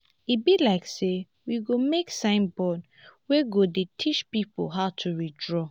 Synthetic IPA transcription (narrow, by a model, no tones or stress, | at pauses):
ibilaɪkse | wiɡomeksãɪ̃nbɔd | weɡodetʰit͡ʃpipo̰ɦaʊtʰuɹidɹɔ